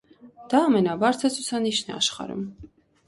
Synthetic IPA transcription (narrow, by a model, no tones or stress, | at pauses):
d̪̥ɑːmɛnɑbɑɾt͡s̪ʰət͡sʰut͡sʰɑniʃnɛɑ̰ʃχɑ̰ɾṵm